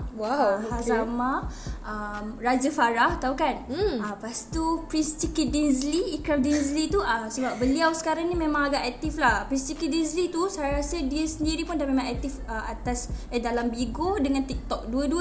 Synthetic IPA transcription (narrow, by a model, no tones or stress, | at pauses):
wawhazaamãʔəmrad͡ʒəfaɾaht̪aukanapast̪upɾist̪ikidinsliːkɾamdinzlit̪uəsəbap̚bəliawsə̥kaɾaŋnimẽmãŋaɡaʔak̚t̪iflahpɾist̪ikidinslit̪usajɾasədiəsəndiɾipundanmẽmãŋak̚t̪ifəat̪asədalambiɡodəŋãnt̪ik̚t̪ɔk̚duəduə